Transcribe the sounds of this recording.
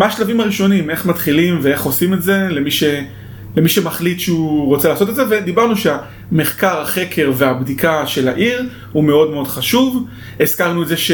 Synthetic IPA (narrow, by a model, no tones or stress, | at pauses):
meaʃlavimaʁiʃo̞nime̞χmat̪χilimvee̞χo̞sime̞tze̞lemiʃe̞ | lemiʃe̞maχlit̪ʃeuʁot͡selaːso̞t̪e̞dzeve̞d̪ibaʁnuʃea | me̞χkaʁaχe̞kʰe̞ʁve̞abd̪ikʰaʃe̞la̰ʔiʁ | hume̞o̞dme̞o̞dχaʃuv | eskaʁnuetzeʃe